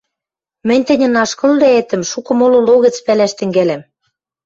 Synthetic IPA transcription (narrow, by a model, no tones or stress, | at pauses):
mɘ̆nʲt̪ɘ̆nʲɘ̆nɑʃkɤ̆ld̪eet̪ə̆mʃukɤ̆molŏloɣə̆t͡spælæʃt̪ɘ̆ŋɡælæm